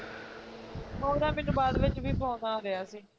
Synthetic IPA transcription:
ɦõːɾaːmɪnbaːd̪ʋɪt͡ʃʋiːpõːnaːɾejaːsiː

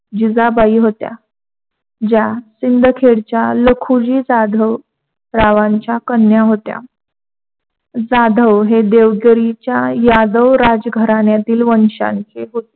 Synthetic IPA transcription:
d͡ʑid͡zabaiːɦot̪ja̰ | d͡ʑjasind̪ʱəkʰeɽt͡ɕjaləkʰud͡ʑiːd͡zad̪ʱəw | ɾaʋaɲt͡ɕjakənjaɦot̪ja̰ | d͡zad̪ʱəʋɦed̪eʋɡjəɾit͡ɕjajad̪əwɾad͡zɡʱəɾaɳjat̪iːlʋənɕã̰nt͡seɦot̪e̥

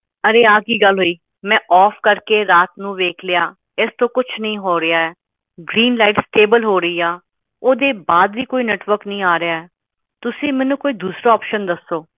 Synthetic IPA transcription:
əɾeːaːkiːɡəlɦoːiː | mɛ̃ːʔɔːpʰkəɾkeːɾaːt̪nũːʋeːkʰlɪjaː | ɪst̪õːkʊt͡ʃʰnəĩːɦoːɾɪaːɛː | ɡɾiːnlaːɪʈsʈeːbəlɦoːɾəiːaː | oːd̪eːbaːd̪ʋiːkoːiːnɛːʈʋəɾknĩːaːɾɪjaːɛː | t̪ʊsĩːmɛ̃ːnũːkoːiːd̪uːsɾaːɔːpʃənd̪əsːoː

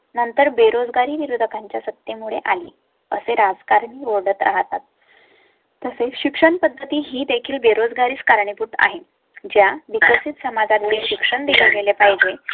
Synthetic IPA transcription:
nənt̪əɾbeɾod͡zɡaɾiːʋiɾud̪ʱəkaɲt͡ɕjasət̪jemuɭeʔalḭː | ə̰seɾad͡zkaɾɳiːʋoɽət̪ɾa̰ɦt̪at̪̚ː | əseɕikʂəɳpəd̪ʱːət̪iːɦiːd̪ekʰiːlbeɾod͡zɡaɾiːt͡skaɾɳipuʈa̰ɦe | d͡ʑjaʋikʋəsit̪səmad͡zat̪liːlɕikʂəɳd̪iluɡelepaɦid͡ʑe

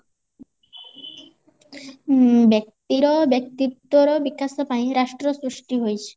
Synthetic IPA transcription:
bek̚t̪iɾɔbek̚t̪it̪oɾɔbikːasɔpajɾaʃʈɾosɾuʃʈiɦojt͡ɕʰe̥

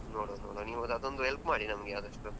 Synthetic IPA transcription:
noːɽonoːɽoniːʋod̪ɐd̪ond̪uɦelpmaːɽinɐmɐɡeaːd̪ɐʂʈu

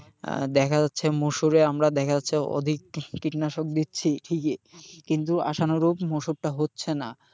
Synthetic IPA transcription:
d̪ɛkʰad͡ʑatːɕʰemoʃuɾeamɾad̪ɛkʰaaɕʰeo̰d̪ʱik̚ːiʈinaʃok̚d̪itːɕʰiʈʰikekint̪ua̰ʃanoɾubmoʃuɾʈaɦotːɕʰena

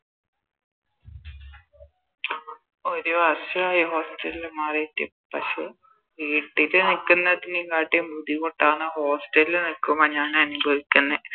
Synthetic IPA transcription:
oɾuɐɕuɭaːjɐɦo̞ːsʈɐlilmaːretːḭ | pːɐʂe | ʋiːʈːilɨnikːunːɐt̪inikaːʈːembʱud̪ikoʈːaːɳɨho̞ːsʈɐlilɨnikːumɐɲaːnɐnubʱɐʋikʲːunːɐ

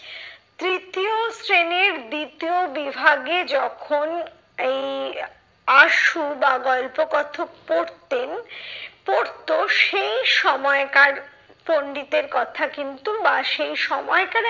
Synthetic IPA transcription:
t̪ɾit̪iosɾeneɾd̪it̪iobibʱaɡed͡ʑɔkʰon | ej | aʃubaɡɔlpoɡɔt̪ʰopoɾt̪enpoɾt̪oʃejʃɔmɔekaɾ | poɳɖit̪eɾkɔt̪ʰakint̪ubaʃejʃɔmɔekaɾ

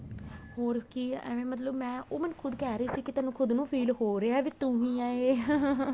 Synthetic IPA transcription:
hoːɾkḭʋẽːmət̪ləbmɛ̃ːʔoːmənkʰʊd̪kɛːɾəiːsiːkɪt̪aːnũːkʰʊd̪nũːpʰiːlɦoːɾeːaːʋiːt̪uɦĩːaːeː

